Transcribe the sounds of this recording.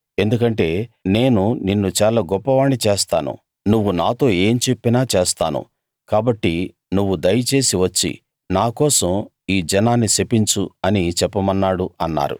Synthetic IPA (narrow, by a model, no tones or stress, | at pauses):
e̞nd̪ukɐɳʈe̞ːne̞ːnuninːut͡ʃaːlaːɡɔpːɐʋaːɳit͡ʃeːst̪aːnṵ | nuʋːunaːt̪o̞ːe̞ːmt͡ʃe̞pːinaːt͡ʃeːst̪aːnṵ | kaːbɐʈːi | nuʋːud̪ɐjɐt͡ʃe̞ːsiʋɐt͡ʃːḭ | naːkɔːsɐm | iːd͡ʒɐnaːnːisepːiɲt͡ʃuɐnit͡ʃɛpːɐmɐnːaːɽuɐnːa̰ːɾṵ